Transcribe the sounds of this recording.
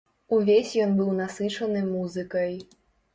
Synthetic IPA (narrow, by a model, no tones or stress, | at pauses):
uvʲesʲjɔnbɨwnasɨt͡ʂɐnɨmuzɨkɐj